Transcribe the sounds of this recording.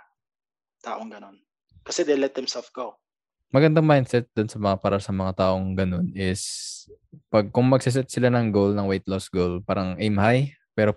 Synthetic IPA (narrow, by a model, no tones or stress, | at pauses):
t̪aːʔoŋɡɐnon | kɐsɛd̪ɛlɛt̪̚d̪ɛmsɛlfɡo | mɐɡɐnd̪aŋmajnd̪sɛt̪̚d̪onsɐmɐŋapaːɾʔɐsɐmɐŋat̪aːʔo̞ŋɡɐno̞nɪs | pɐɡ̚kʊŋmɐɡ̚sɪs̬ɛt̪̚sɪlanɐŋɡolnɐŋwejt̪losɡolpaːɾɐŋʔejmhaj | pɛːɾo